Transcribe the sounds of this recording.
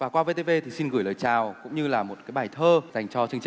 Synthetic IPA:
vaː˨˩kwaː˧ve˧t̪e˧ve˧t̪ʰi˨˩si˧nɣɨ˧˩jləː˨˩jt͡ɕaː˨˩wkʊ̰˧˥ŋ͡mɲɨ˧laː˨˩mo˨˩t̚kaː˨˦jɓaː˧˩jt̪ʰəː˧za˨˩jŋ̟t͡ɕɔ˧t͡ɕɨ˧əŋt͡ɕi˧

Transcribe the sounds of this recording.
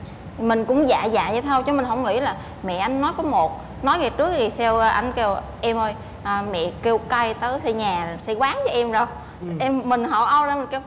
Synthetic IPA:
mï˨˩ŋ̟kʊ̰˧˥wŋ͡mza̰ː˧˨za̰ː˧˨ja˧˩t̪ʰə˧wt͡ɕɔ˨˦mï˨˩ŋ̟ɦə˧˥wŋ͡mŋḭ˧˥laː˨˩ | mɛ̰˧˨ʔa˧jŋ̟ːɔ˨˦jkɔ˨˦mo˨˩t̚ | nɔ˨˦jŋa˨˩t͡ɕɨ˦˥əkɣi˨˩sɛ˧wːʔa˧jŋ̟ke˧w | ʔɛ˧mʔəː˧j | ʔəː˨˧˩mɛ̰˧˨ke˧wka˧jt̪əː˨˦jsi˧ɲaː˨˩si˧kwaː˨˦ŋt͡ɕɔ˨˦ʔɛ˧mzo˨˩j | ʔɛ˧mːï˨˩ŋ̟ɦə̰˧˩wʔə˧wzaː˧mi˨˩ŋke˧w

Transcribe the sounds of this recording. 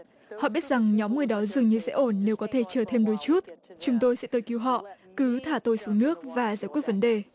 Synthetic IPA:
hɔ̰˧˨ɓi˦˥ət̚za˨˩ŋɲɔ˨˦mŋɨ˨˩əjɗɔ˨˦zɨ˨˩əŋɲɨ˧sɛ̰˧˥ʔo˧˩nːe˨˦wkɔ˨˦t̪ʰe˧˩t͡ɕəː˨˩t̪ʰe˧mɗo˨˦jt͡ɕu˦˥t̚t͡ɕʊ˨˦ŋ͡mt̪o˧jsɛ̰˧˥t̪əː˧˩jki˧wɦɔ̰˧˨ʔ | kɨ˨˦t̪ʰaː˧˩t̪o˧˩jsu˨˦ŋnɨ˦˥ək̚vaː˨˩zaː˧˩jkwət̚və˨˦nɗe˨˩

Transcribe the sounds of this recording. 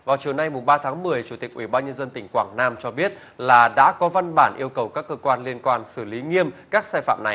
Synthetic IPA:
vaː˨˩wt͡ɕi˨˩əwna˧jmʊ˨˩ŋ͡mɓaː˧t̪ʰaː˨˦ŋmɨ˨˩əjt͡ɕu˧˩t̪ï˨˩k̟ʔwi˧˩ɓaː˧nɲə˧nzə˧nt̪ï˧˩ŋ̟kwa̰ː˧˩ŋnaː˧mt͡ɕɔ˧ɓi˦˥ət̚ | laː˨˩ɗa̰ː˧˥kɔ˨˦va˧nɓaː˧˩nʔi˧əwkə˨˩wkaː˦˥kːəː˧kwaː˧nli˧ənkwaː˧nsɨ˧˩li˨˦ŋi˧əmkaː˦˥k̚saː˧jfa̰ː˧˨mna˨˩j

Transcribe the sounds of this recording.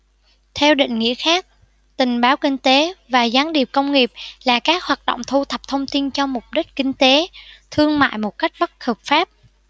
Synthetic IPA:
t̪ʰɛ˧wɗḭ˧˨ŋ̟ŋḭ˧˥əxaː˦˥k̚ | t̪ï˨˩ŋ̟ɓaː˨˦wkï˧ŋ̟t̪e˨˦vaː˨˩zaː˨˦nɗi˨˩əp̚kə˧wŋ͡mŋi˨˩əp̚laː˨˩kaː˦˥k̚hwaː˨˩t̚ɗo̰˧˨wŋ͡mt̪ʰu˧t̪ʰə˨˩p̚t̪ʰə˧wŋ͡mt̪i˧nt͡ɕɔ˧mʊ˨˩p̚ɗï˦˥k̟̚kï˧ŋ̟t̪e˨˦t̪ʰɨ˧əŋma̰ː˧˨jmo˨˩t̚ka˦˥jk̟̚ɓə˦˥t̚xəː˨˩p̚faː˦˥p̚

